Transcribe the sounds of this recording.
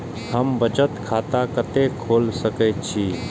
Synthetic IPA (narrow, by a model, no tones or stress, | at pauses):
həmbət͡ʃət̪kʰat̪akət̪ekʰoːlsəkɛt̪t͡ʃʰi